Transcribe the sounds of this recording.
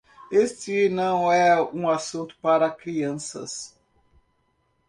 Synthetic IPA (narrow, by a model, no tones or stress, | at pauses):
est͡ʃɪnɐ̃w̃ɛũasũnt̪ʊ̥paɾɐkɾiɐ̃sɐ̰s